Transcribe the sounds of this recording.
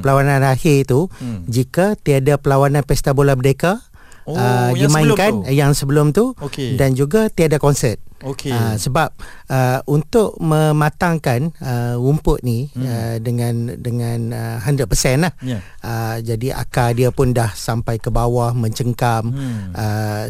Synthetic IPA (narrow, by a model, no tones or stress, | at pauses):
pəlawanãnahɪt̪ud͡ʒikat̪iadapəlawanãnpɛst̪abolaməɾekaː | dimãiŋkanjaŋsəbəlʊmt̪ukdand͡ʒuɡat̪iadakɔnsɛt̪̚okeəsəbap̚əunt̪ʊʔ̚mə̃mãt̪aŋkanəumpʊʔ̪̚nĩədəŋãndəŋanəɦandəpəsɛnlah | əd͡ʒadiʔa̰kadiapʊndahsampajkəbawahmə̃ɲt͡ʃəŋkamʔə